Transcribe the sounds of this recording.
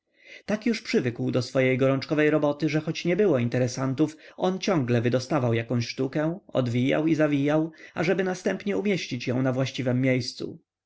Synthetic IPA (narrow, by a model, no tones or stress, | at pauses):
t̪akjuʂpʂɘvɘkwd̪ɔsfɔjejɡɔɾɔnt͡ʂkɔvɛjɾɔbɔt̪ɘʐɛxɔt͡ɕɲɛbɘwɔint̪ɛɾɛsant̪ufɔnt͡ɕɔ̃ŋɡlɛvɘd̪ɔst̪avawjakɔ̃w̃ɕʂt̪ukɛ̃ɔ̰d̪vʲija̰wizavʲijawa̰ʐɛbɘnast̪ɛmpɲɛumʲjeɕt͡ɕit͡ɕjɔ̃w̃navwaɕt͡ɕivɛmːjejst̪sṵ